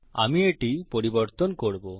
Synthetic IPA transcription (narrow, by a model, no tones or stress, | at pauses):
a̰mieʈipɔɾibɔɾt̪ɔnkɔɽbo